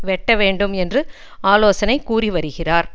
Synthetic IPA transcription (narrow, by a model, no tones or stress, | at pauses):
ʋɛʈːɐʋeːɳɖɯmɛndrɯ | aːloːsɐnɐɪkuːriʋɐɾɯɣɪraːɾ